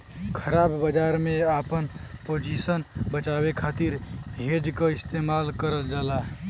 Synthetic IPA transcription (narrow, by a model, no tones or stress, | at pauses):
kʰəɾabbəd͡ʒaɾmeapənpod͡ʒisənbət͡ʃabekʰat̪iɾɦed͡ʒkəist̪emalkəɾəld͡ʒala